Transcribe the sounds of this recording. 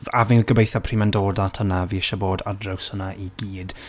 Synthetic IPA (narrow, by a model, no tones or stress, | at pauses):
avɪɡəbejθapʰriːmɛndoːdatʰənaviɪʃaboːdadrɛwsənaʔiɡiːd̥